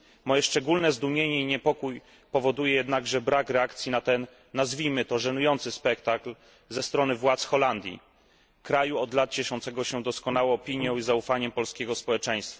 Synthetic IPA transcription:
mɔjɛʂt͡ʂɛɡulnɛzd̪umʲjeɲɛiɲɛpɔkuj | pɔvɔd̪ujɛjɛd̪naɡʐɛbɾakɾɛakt̪sʲjinat̪ɛnː | azvʲimɘt̪ɔʐɛnujɔnt̪sɘspɛk̚t̪akl | zɛst̪ɾɔnɘvwat̪sxɔland̪ʲjḭ | kɾajuɔd̪lat̪̚t͡ɕɛʂɔ̃nt̪sɛɡɔɕɛd̪ɔskɔnawɔ̃w̃ːɔpʲiɲjɔ̃w̃izaufaɲɛmpɔlskʲeɡɔspɔwɛt͡ʂɛ̃j̃st̪fa

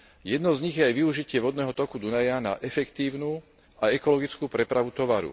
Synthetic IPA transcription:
jɛd̪nɔzɲiɣjɛajʋiuʒicɪɛʋɔd̪nɛːɦɔt̪ɔkud̪unajana̰ʔɛfɛkt̪iːʊnuː | aɛkɔlɔɡit͡skuːpɾɛpɾaʋut̪ɔʋaɾṵ

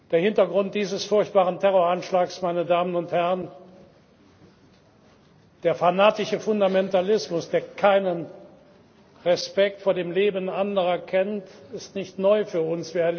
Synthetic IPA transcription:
d̥eːɐhɪntɐɡʁʊnt̚d̥iːzəsfʊɐçt̚b̥aːʁəntʰɛʁoɐanʃlaːksmaɪnədaːmənʊnthɛʁən | d̥eːɐfanaːtɪʃəfʊndamɛntalɪsmʊsd̥eːɐkʰaɪnən | ʁɛspɛk̚tfoːɐdeːmleːbən̩ʔandəʁɐkʰɛntɪstnɪçtnɔʏfyːɐʊnsv̥iːɐɛɐlː

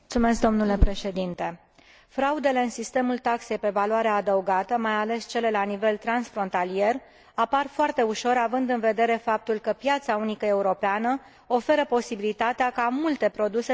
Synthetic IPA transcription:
t̪sume̞sk̚d̪o̞mnule̞pɾe̞ʃe̞d̪int̪e̞ | fɾaud̪e̞le̞ɨnsist̪e̞mult̪akse̞jpe̞valwaɾead̪əuɡat̪əmajale̞st͡ʃe̞le̞lanive̞lt̪ɾansfɾo̞nt̪alije̞r | aparfoart̪e̞uʃo̞ɾavɨnd̪ɨnve̞d̪e̞ɾe̞fap̚t̪ulkəpjat̪saunikəe̞uɾo̞peanə | o̞fe̞ɾəpo̞sibilit̪at̪eakamult̪e̞pɾo̞d̪use

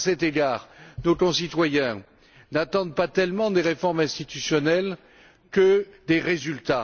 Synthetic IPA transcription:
sɛt̪eɡaːʁnokɔ̃sit̪wajɛ̃ | nat̪ɑ̃d̪pat̪ɛlmɑ̃d̪eʁefɔʁmɛ̃st̪it̪ysjɔnɛl | kəd̪eʁezylt̪a

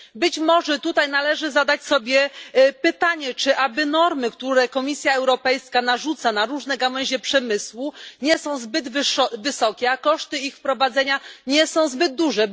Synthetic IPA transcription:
bɘt͡ɕmɔʐɛt̪ut̪ajnalɛʐɘzad̪at͡ɕsɔbʲjɛpɘt̪aɲɛt͡ʂɘʔabɘnɔɾmɘkt̪uɾɛkɔmʲisʲjaɛwɾɔpɛjskanaʐut̪sanaɾuʐnɛɡawɛɲʑɛpʂɛmɘswuɲɛsɔ̃w̃zbɘd̪vvɘsɔkʲɛakɔʂt̪ɘixfpɾɔvad̪zɛɲaɲɛsɔ̃w̃zbɘd̪̚d̪uʐɛ

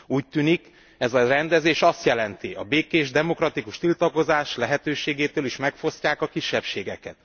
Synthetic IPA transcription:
uːc̚t̪yːnik | ɛzɒrɛnd̪ɛzeːʃɒst̪jɛlɛnt̪iʔɒ̰beːkeːʒd̪ɛmo̞krɒt̪ikuʃt̪ilt̪ɒko̞zaːʃlɛɦɛt̪øːʃeːɡeːt̪øːliʃmɛkfo̞scaːkɒkiʃːɛpʃeːɡɛkɛ̰t̪̚

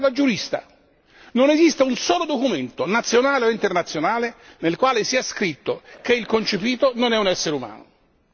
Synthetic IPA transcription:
lad͡ʒuɾist̪a̰ | nonezist̪eunsɔːlod̪okument̪onat̪sːjonaːleoint̪ernat̪sːjonaːlenelkwaːlesiaskɾit̪ːokeilkont͡ʃepiːt̪ononɛunɛsːeɾeuma̰ːno̰

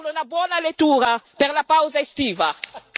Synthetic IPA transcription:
lonabwɔnalet̪uɾapeɾlapawzaest̪iva

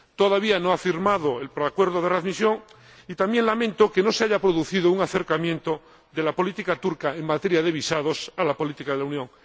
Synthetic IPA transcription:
t̪oðaβianoafiɾmað̞oelpoɾakwe̞ɾðoðeraðmisjo̞ŋ | it̪ambje̞ŋlamẽ̞nt̪okeno̞seaʝapɾoðuθiðouŋaθe̞ɾkamjẽnt̪o | ðelapolit̪ikat̪uɾkaeŋmat̪e̞ɾjað̞e̞β̞isað̞osalapo̞lit̪ikaðelaunjõ̞ŋ

